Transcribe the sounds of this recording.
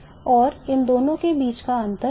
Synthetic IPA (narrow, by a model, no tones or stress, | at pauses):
ɔːɾɪnd̪oːnõkebiːt͡ʃkaɐ̃nt̪ə